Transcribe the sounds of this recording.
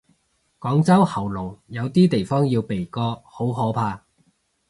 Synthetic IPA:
kɔː˨˥ŋt͡sɐ˥whɐ˨˩wlo˨˩wjɐ˨˧wt̪iː˥t̪e˨˩jfɔː˥ŋji˧wpe˨˩jkɔː˧ho˨˥wɦɔː˨˥pʰaː˧

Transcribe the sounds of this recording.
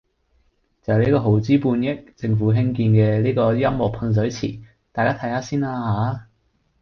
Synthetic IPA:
t͡sɐ˨˩˨le˨˥kɔː˧ɦo˨˩wt͡siː˥puː˧njɪ˥k̚t͡sɪ˧ŋfuː˨˥ɦɪ˥ŋkiː˧nkɛː˧liː˥kɔː˧jɐ˥mwɔː˨˩k̚pʰɐ˧ns̬ɵ˨˥ɥt͡sʰḭː˨˩ | t̪aː˨jkaː˥t̪ʰɐ˨˥jhaː˨˥siː˥naː˧haː˨˥

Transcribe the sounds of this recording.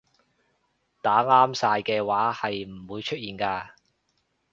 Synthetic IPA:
t̪aː˨˥ŋaː˥msaː˧jkɛː˧waː˨˥hɐ˨jm̩˨˩wuː˨˧jt͡ʃʰɵ˥t̚jiː˨nkaː˧

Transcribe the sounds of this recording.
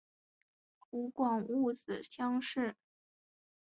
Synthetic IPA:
u˧˥kwɑ˨˩ŋu˥˩t͡sɹ̩˨˩ɕjɑ˥ŋʂɻ̩˥˩

